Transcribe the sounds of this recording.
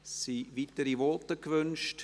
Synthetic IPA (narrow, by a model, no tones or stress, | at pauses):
siviːtəɾivɔtəkvønʃt